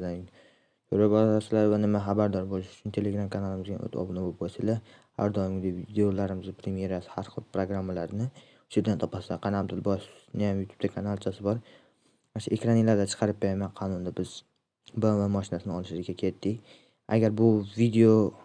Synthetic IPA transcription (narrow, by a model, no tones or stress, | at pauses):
d̪a | soɾabɒasɪlavanɪmaχabaɾd̪ɒɾbolˠɪʃʊ̥t͡ʃʰʊnt̪ʰe̞leɡɾamkʰanalˠɪmɪzɡʲa̰no̰t̪ʰɒ̰bɪnbopbɒsɪla | ha̰ɾd̪ɒɪmɡʲɪd̪evid̪eolaɾɪmɪzɪpʰɾemije̞ɾasɪ̥haɾχɨlˠpʰɾoɡɾamːalaɾnɪ | ʊ̥ʃeɾd̪ant̪ʰɒpasaqʰɑnab̚d̪ɪlbɒʃnɪjamjut̪ʰu̥b̥̚t̪ʰakʰanalˠt͡ʃʰasɪbɒɾ | manʃʊekʲɾanilaɾd̪at͡ʃʰɨ̥qʰɑɾɪp̚beɾamaqʰɒnʊnd̪abɪz | bavamɒʃɪnasɪnɪɒlˠɪʃlɪzɡʲakʲʰe̞t̪ʰːɪkʲ | a̰ɡʲaɾbʊvid̪eo